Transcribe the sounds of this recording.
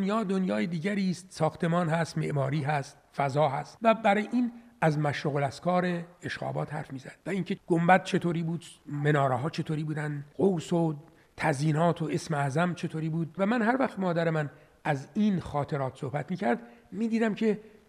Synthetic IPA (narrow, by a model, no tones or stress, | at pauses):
njɒːd̪onjɒːjed̪iːɟæɾiːst̪sɒːxt̪ʰe̞mɒːnɦæst̪me̞̰ʔmɒːɾiːɦæst̪̚fæzɒːɦæst̪væbæɾɒjʔiːnæzmæʃɾuɣolæskɒːɾeeʃɣɒ̰ːbɒ̰ːt̪hæ̰ɾfmiːzæ̰d̪̥væiŋcʰeɡ̥ombæd̪̥̚t͡ʃʰe̞t̪ʰoːɾiːbuːd̪me̞nɒːɾɒɦɒːt͡ʃʰe̞t̪ʰoːɾiːbuːd̪ænd̪ɣowso | t̪ʰæziːnɒːt̪ʰoʔesmeæzæmt͡ʃʰe̞t̪ʰoːɾiːbuːd̪væmænhæɾvæxt̪mɒːd̪æɾe̞mæn | æziːnxɒːt̪ʰe̞ɾɒːt̪ʰsohbæt̪miːcʰæɾd̪miːd̪iːd̪æmcʰe